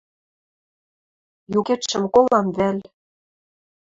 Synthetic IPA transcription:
juket̪ʃɘ̆mkolɑmβælʲ

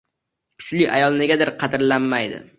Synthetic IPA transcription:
kʰʊ̥t͡ʃlɪʔajɒlˠneɡʲad̪ɪɾqʰɑd̪ɪɾlanmajd̪ɪ̰

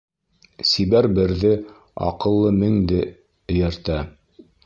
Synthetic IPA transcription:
siβæɾbɘ̆ɾðɘ | ɑ̰qɤ̆lˠːɤmɘ̆ŋd̪ɘ | ɘ̆jɘ̆ɾt̪æ

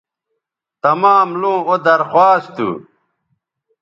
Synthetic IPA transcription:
t̪ɐmaːmlũːod̪ɐɾxwaːst̪ṵ

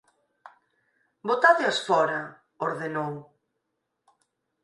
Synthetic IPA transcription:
bot̪aðɪosfɔɾɐ | oɾðenow

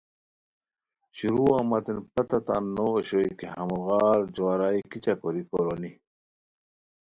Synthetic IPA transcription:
ɕuɾuːamɐt̪enpɐt̪ɐt̪a̰nːooɕoikeɦɐmuɣaːɾd͡ʑowaɾaːikit͡ɕakoɾikoɾoni

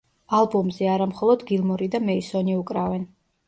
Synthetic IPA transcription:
alˠbɔmzɛaɾamχɔlˠɔd̪ɡilˠmɔɾid̪amɛisɔniukʼɾavɛn

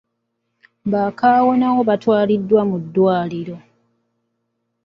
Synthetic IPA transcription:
βaːkaːwo̞nawo̞βatwaːlidːwamudːwaːliɾo̞

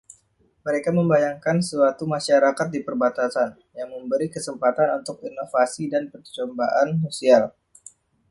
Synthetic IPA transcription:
məɾekaməmbajaŋkansəat̪umaʃaɾakat̪̚dipərbat̪asan | jaŋməmbəɾikəsəmpat̪anunt̪ʊk̚inofasidanpərt͡ʃɔmbaʔansosial

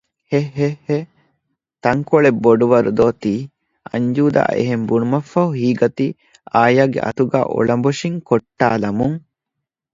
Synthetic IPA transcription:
heɦehe | t̪ɐŋkoɭebːoɖuʋɐɾud̪oːt̪iː | ɐ̰ɲd͡ʒuːd̪a̰ːḛɦembunumɐfɐɦuɦiːɡɐt̪i | aːjaːɡḛʔɐ̰t̪uɡa̰ːʔo̰ɭɐmboʃiŋkoʈːaːlɐmuŋ

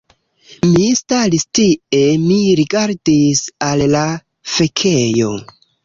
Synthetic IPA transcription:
mistaɾistie̞miɾiɡaɾdisalːa | fe̞kʰejo̞

